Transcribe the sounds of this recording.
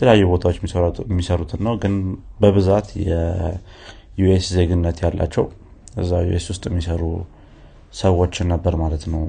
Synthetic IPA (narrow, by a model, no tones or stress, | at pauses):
ət̪əljajːubo̞t̪ʰawot͡ʃːmmːisəɾut̪ʰɨnːəwɡɨnbəβɨzat̪jɛ | juesze̞ɡɨnːət̪jalːa̰t͡ʃːɛw | ʔɨzːajṵʔeswʊst̪ʼjɛmːisəɾu | səwo̞t͡ʃːɪnːəbːəɾmalət̪nəw